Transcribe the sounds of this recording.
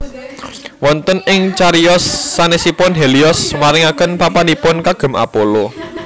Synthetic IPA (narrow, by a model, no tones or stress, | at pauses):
wɔnt̪ənɪŋt͡ʃaɾiɔsːanesipɔnɦeliɔsmaɾɪŋakənpapanipɔnkaɡ̥ə̤ma̰polo